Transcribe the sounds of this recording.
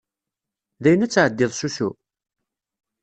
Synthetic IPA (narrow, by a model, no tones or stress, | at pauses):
ðæjənæt͡sːʕəd̪ːɪðˤsusu